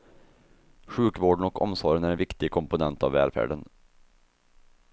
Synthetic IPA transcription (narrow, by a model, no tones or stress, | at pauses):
ɧʉːkvoːɖn̩ɔkʰɔ̰msɔɾənæɾɛnʋɪkt̪ɪɡkʰɔmpʊnɛnt̪ɑ̰ʋːæ̰ːlfæ̰ːɖən